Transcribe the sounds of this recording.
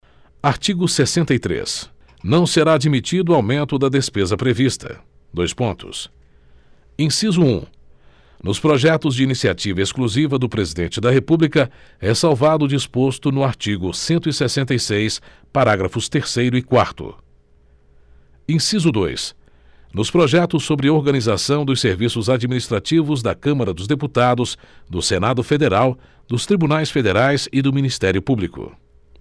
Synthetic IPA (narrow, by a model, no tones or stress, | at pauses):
aɾt͡ʃiɡʊsesẽnt̪ɐjt̪ɾḛs | nɐ̃w̃seɾaːd͡ʒimit͡ʃid̪ʊawmẽnt̪ʊd̪ɐd̪espezɐpɾevist̪ʰɐ̰ | d̪ojspõt̪ʊ̰s | ẽsizʊũ | nʊspɾɔʒɛt̪ʊzd͡ʒɪinisiat͡ʃivɐeskluzivɐd̪ʊpɾezid̪ẽnt͡ʃɪd̪ɐɦepublikɐɛsawvad̪ʊd͡ʒispost̪ʊnʊaɾt͡ʃiɡʊsẽnt̪ʊisesẽnt̪ɐjsejs | paɾaɡɾɐfʊst̪eɾsejɾʊɪkwaɾt̪ʊ̰ | ẽsizʊd̪o̰js | nʊspɾoʒɛt̪ʊsːobɾɪoɾɡɐnizasɐ̃w̃d̪ʊseɾvisʊzad͡ʒiminist̪ɾat͡ʃivʊzd̪ɐkɐ̃mɐɾɐd̪ʊzd̪eput̪ad̪ʊsd̪ʊsenad̪ʊfed̪eɾaw | d̪ʊst̪ɾibunajsfed̪eɾajsɪd̪ʊminist̪ɛɾjʊpublikʊ̰